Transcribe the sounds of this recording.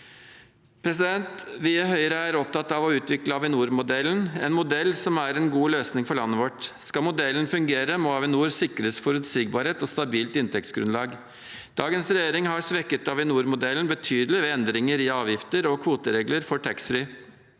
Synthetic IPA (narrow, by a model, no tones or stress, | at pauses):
pʰɾɛsɪd̪ɛnt̪ʋɪæɦœʏəɾəæɾɔp̚t̪ɑt̪ɑʋɔʉːt̪ʋɪkləɑʋɪnuːɾmʊd̪ɛlːənɛnmʊd̪ɛlːsɔmæɾɛnɡuːløːsnɪŋfɔɭɑnːəʋɔʈskɑmʊd̪ɛlənfʉŋɡeːɾəmɔɑːʋɪnuːɾsɪkɾəsfɔɾʉt̪siːɡ̚bɑːɾheːt̪ɔst̪ɑbiːlt̪ɪnt̪ɛk̚t̪sɡɾʉ̰nlɑːɡ | d̪̥ɑːɡənsɾɛjeːɾɪŋhɑɾsʋɛkːət̪ɑʋɪnuːɾmʊd̪ɛlənbət̪ʰyːd̪lɪʋɛɛnd̪ɾɪŋəɾɪɑːʋjɪft̪əɾɔkʰʋuːt̪əɾeːɡləɾfɔʈʰɛksfɾʏː